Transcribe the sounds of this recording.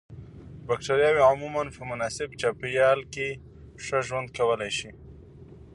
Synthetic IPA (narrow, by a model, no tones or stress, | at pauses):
bak̚ʈaɾjɑweʕʊmumanpəmʊnɑsɪbt͡ʃapjɑlke | ʂəʒwand̪̚kawəlajʃi